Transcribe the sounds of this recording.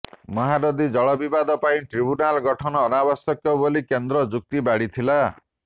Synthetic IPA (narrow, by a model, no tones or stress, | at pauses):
mɔɦaɾɔd̪id͡ʒɔɭɔbibad̪ɔpaĩʈɾibunalɡɔʈʰɔnɔːnabɔsɔkːɔbolikend̪ɾɔd͡ʒuk̚t̪ibaɽit̪ʰila